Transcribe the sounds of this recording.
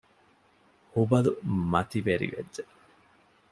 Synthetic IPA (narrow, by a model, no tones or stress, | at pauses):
hubɐlumɐt̪iʋeɾḭʋḛd͡ʒd͡ʒe